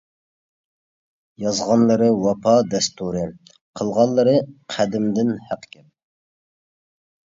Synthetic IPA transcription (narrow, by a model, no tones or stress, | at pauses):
jɑzʁɑnlˠəɾɨwɑpʰɑd̪ɛst̪uɾɨ | qʰəlˠʁɑnlːˠəɾɨqʰæd̪ɪmd̪ɪnhæqːkʲʰɛp̚